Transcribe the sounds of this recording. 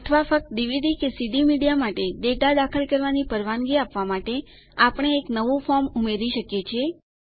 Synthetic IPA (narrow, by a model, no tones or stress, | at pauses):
ət̪ʰʋafək̚t̪əd̪iʋid̪ikesiɖ̪imiɽijamaʈeɖeʈad̪akʰəlkəɾʋanipəɾʋaŋɡiapʋamaʈe | apɳ̃eːknəʋufɔɾmumeɾiʃəkjet͡ʃʰie